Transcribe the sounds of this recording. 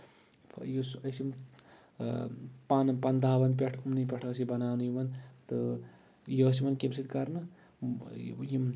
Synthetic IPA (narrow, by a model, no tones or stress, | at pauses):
pʰjusɐsim | panpɐnd̪aːbɐnp̬ʲeʈʰumnipʲeʈʰɐsibɐnaːnujimɐnt̪ɨ | jos̬imɐnkemsit̪kɐɾnɨ | jim